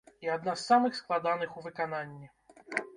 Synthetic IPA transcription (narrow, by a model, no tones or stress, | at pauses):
iad̪nasːamɨxsklˠad̪anɨxuvɨkananʲːi